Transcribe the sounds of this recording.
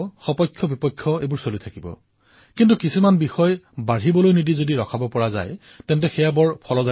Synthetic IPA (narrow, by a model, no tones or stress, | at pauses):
xɔpɔjkʰːɔbipɔkʰːjɔejbuɹsolitʰakibɔ̰ | kintukisimanbixɔjbaɹibɔlojnidizodiɹɔkʰabɔpɔɹaza̰j | tɛntɛxɛjabɔɹpʰɔlɔza